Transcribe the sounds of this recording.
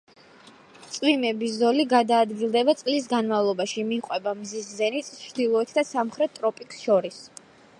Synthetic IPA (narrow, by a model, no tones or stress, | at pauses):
t̪sʼwimɛbiszɔliɡad̪aːd̪ɡilˠd̪ɛbat̪sʼlis̬ɡanmavlˠɔbaʃimiqʼwɛbamziszɛnit̪sʼt͡ʃd̪ilˠɔɛt̪ʰd̪asamχɾɛt̪ːʼɾɔpʼiksʃɔɾis